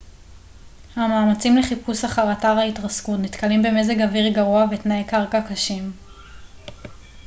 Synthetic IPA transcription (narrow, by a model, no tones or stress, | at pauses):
hamaːmat͡simleχipusaχaʁataʁaitʁaskutnit̪kalimbe̞me̞zeɡaviʁɡaʁuavetnaekaʁkakaʃim